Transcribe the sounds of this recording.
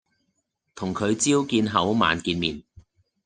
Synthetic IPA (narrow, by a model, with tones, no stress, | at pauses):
t̪ʰʊ˨˩ŋkʰɵ˨˧ɥt͡siː˥wkiː˧nɦɐ˨˥wma̰ː˨˧nkiː˧nmiː˨n